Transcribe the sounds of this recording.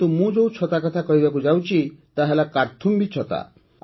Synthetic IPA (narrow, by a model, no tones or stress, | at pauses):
t̪umũd͡ʒowt͡ʃʰɔt̪akɔt̪ʰakɔɾibakud͡ʒawt͡ʃʰit̪aɦelakaɾt̪ʰumbit͡ʃʰɔt̪a̰